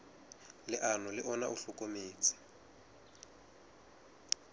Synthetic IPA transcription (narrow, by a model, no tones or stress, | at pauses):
lɪʔanɔlɪʔɔna̰ʔuɬʊkʼomeːt͡sʰʼɪ̥